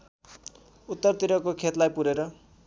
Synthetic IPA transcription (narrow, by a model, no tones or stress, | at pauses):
ut̪ːʌrt̪iɾʌkokʰet̪lajpuɾeɾʌ